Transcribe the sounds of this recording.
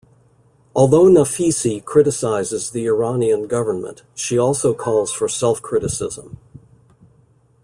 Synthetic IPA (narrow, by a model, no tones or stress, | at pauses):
ɔlˠðoʊnəfisikʰɹ̥ɪɾɨsaɪzɨzðiɪ˞ɑniɨ̃nɡʌvə˞nmə̰̃nt | ʃiɔlˠsoʊkʰɔlˠz̥fə˞sɛlˠfkʰɹ̥ɪɾɨsɪ̰zə̃m